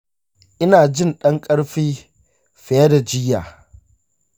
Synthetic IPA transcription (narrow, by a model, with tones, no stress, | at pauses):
ʔɪ˦naː˨d͡ʒɪ˦˨nɗɐ˦ŋkʼɐ˦ɽɸiː˦ | ɸe˨˦a˦da˨d͡ʒɪ˦jaː˨